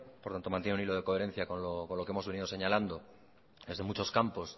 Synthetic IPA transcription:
poɾt̪ant̪omant̪jenuniloð̞e̞ko̞e̞ɾe̞n̟θjakonloko̞nlo̞keemo̞zβe̞niðo̞seɲaland̪o̞ | d̪e̞zðe̞mut͡ʃo̞skampo̞s

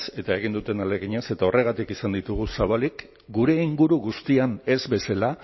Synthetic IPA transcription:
se̞t̪ae̞ɣ̞ind̪ut̪e̞nale̞ɣiɲase̞t̪ao̞rʔe̞ɣ̞at̪ikisand̪it̪uɣ̞usaβalik | ɡuɾe̞iŋɡuɾuɣust̪iane̞zβe̞sala

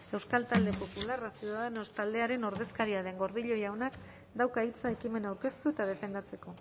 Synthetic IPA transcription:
e̞wskalt̪ald̪epo̞pularasjuðaðano̞st̪ald̪e̞aɾe̞no̞ɾðe̞skaɾiaðe̞ŋɡo̞ɾðiʎo̞jawnak | d̪awkait͡saekime̞nawɾke̞st̪ue̞t̪að̞e̞fe̞nd̪at͡se̞ko̞

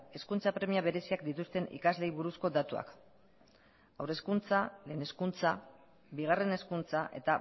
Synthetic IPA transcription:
e̞skunt͡sapɾe̞miaβe̞ɾe̞siakd̪it̪ust̪e̞nḭkazle̞jβuɾusko̞d̪at̪ua̰k | awɾe̞skunt͡sale̞ːne̞skunt͡sa | biɣ̞are̞ne̞skunt͡saʔe̞t̪a

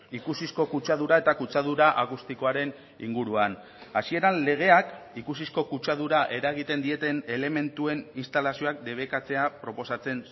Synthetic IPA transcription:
ikusisko̞kut͡ʃaðuɾae̞t̪akut͡ʃaðuɾaʔakust̪iko̞aɾe̞n | ḭŋɡuɾuan | asie̞ɾanle̞ɣ̞e̞akikus̬isko̞kut͡ʃað̞uɾaʔe̞ɾaɣ̞it̪e̞nd̪ie̞t̪e̞ne̞le̞me̞nt̪ue̞ninst̪alasio̞ak̚d̪e̞βe̞kat͡se̞apɾo̞po̞sat͡se̞n

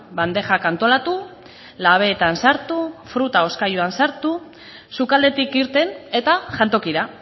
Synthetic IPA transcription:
band̪e̞xakant̪o̞lat̪u | laβ̞e̞ːt̪ansaɾt̪ufɾut̪ao̞skajuansaɾt̪u | sukald̪e̞t̪ikiɾt̪e̞ne̞t̪aʝant̪o̞kiɾa

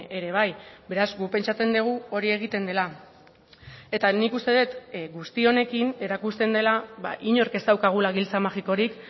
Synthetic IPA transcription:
eɾe̞β̞ajbe̞ɾazɡupe̞nt͡ʃat͡se̞nd̪eɣ̞uo̞ɾie̞ɣ̞it̪e̞nd̪e̞la | e̞t̪anikust̪e̞ðet̪ɡust̪io̞ne̞kine̞ɾakust̪e̞nd̪e̞laβa̰ʔiɲo̞ɾke̞st̪awkaɣ̞ulaɣ̞ilt͡samaxiko̞ɾik

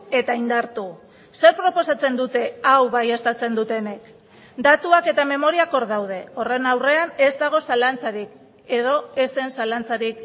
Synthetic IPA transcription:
e̞t̪aind̪aɾt̪u | se̞ɾpɾo̞po̞sat͡se̞nd̪ut̪e̞awβajest̪at͡se̞nd̪ut̪e̞ne̞k | d̪at̪uake̞t̪ame̞mo̞ɾiako̞ɾðawð̞e̞o̞re̞nawre̞ane̞zd̪aɣ̞o̞salant͡saɾik | e̞ð̞o̞e̞se̞nsalant͡saɾik

